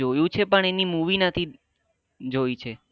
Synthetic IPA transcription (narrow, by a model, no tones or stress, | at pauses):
ojũt͡ʃʰepəɳenimuʋinət̪ʰi | d͡ʒoit͡ʃʰe